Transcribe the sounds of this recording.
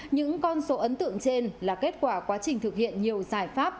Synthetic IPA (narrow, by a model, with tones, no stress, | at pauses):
ɲɨ̰˧˥ŋkɔ˧nso˨˦ʔə˨˦nt̪ɨ̰˧˨əŋt͡ɕe˧nlaː˨˩ke˦˥t̚kwaː˧˩kwaː˨˦t͡ɕï˨˩ŋ̟t̪ʰɨ˨˩k̚hḭ˧˨ənɲi˨˩əwzaː˨˩jfaː˦˥p̚